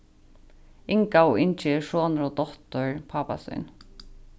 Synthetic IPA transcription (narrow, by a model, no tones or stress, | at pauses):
ɪŋkaɔʔɪnt͡ʃɪɛʂɔːnʊɾɔt̪ɔht̪ʊɹpʰaːpa̰sʏ̰jn